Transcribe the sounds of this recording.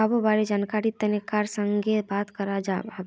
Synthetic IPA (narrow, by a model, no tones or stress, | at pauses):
abobaɾed͡ʒankaɾit̪ːənəkaɾsəŋɡebat̪kəɾad͡ʒaɦəb